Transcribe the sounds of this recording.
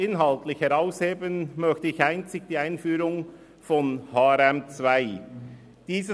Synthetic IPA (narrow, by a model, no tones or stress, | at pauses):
ɪnɦɑltlɪçhɛʁaʊsheːbənmœçtəɪçaɪnt͡sɪɡ̥̚d̥iːaɪnfyːɾʊŋ | fɔnhɑːɛɾɛmt͡svaɪ | d̥iːzə